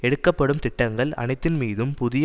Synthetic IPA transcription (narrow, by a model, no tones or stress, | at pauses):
ɛɽɯkːɐpːɐɽɯmt̪ɪʈːɐŋɡɐɭɐ̰nɐɪt̪ːɪnmiːðɯmpʊðɪj